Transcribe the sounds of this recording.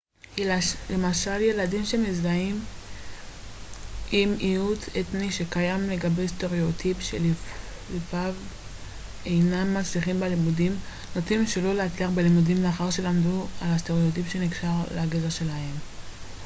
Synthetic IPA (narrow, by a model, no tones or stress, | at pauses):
le̞maʃalje̞ladimʃe̞mezaim | imiutʰetniʃe̞kajamle̞ɡabe̞iste̞ʁeot̪ʰipʃḛl | lifav | e̞jnamːat͡sliχimbalimudim | notimʃelo̞leat͡sliaχbelimudimleaχaʁʃe̞lamdualast̪eʁeot̪̬ipʃe̞niɡʃaʁleaɡezeʃe̞lahe̞m